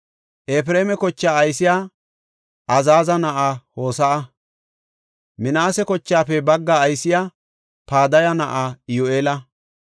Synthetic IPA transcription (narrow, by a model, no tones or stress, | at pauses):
ʔeːfɾeːmɛkɔt͡ʃːaːɐjsɪjaː | ʔɐzaːzɐnɐʔaːho̞ːsɐʔɐ | mɪnaːsɛkɔt͡ʃːaːpɛbɐɡːaːjsɪjaː | paːd̪ɐjɐnɐʔaːɪjoʔeːlɐ